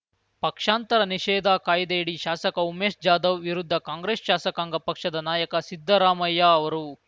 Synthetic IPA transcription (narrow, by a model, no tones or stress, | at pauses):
pɐkʂaːnt̪ɐɾɐniʃɛːd̪aːkaːjd̪eiɽiʃaːsɐkɐumeːsd͡ʒaːd̪ɐʋʋiɾud̪ʱːɐkaːŋɡɾeːsʃaːsɐkaːŋɡɐpɐkʂɐd̪ɐnaːjɐkɐsid̪ʱːɐɾaːmɐjːaːɐʋɐɾu